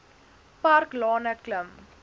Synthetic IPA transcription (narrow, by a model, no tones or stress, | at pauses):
parklɑːnəkləm